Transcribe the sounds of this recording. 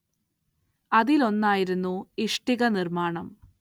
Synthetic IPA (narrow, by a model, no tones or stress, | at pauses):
ɐðilo̞nːaːjiɾunːuiʂʈiɣɐnirmaːɳɐm